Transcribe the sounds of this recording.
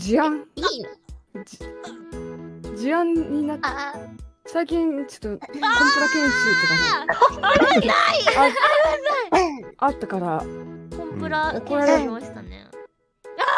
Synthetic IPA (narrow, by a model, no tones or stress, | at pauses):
d͡ʑiãŋ | d͡ʑiãɲɲːinat̪ | saikʲĩnt͡ɕo̥t̪ːokõmpɯ̟ɾat̪ẽsit̪ed̪a | a | at̪ːakaɾakõmpɯɾaoko̞ɾaɾeɕt̪anḛ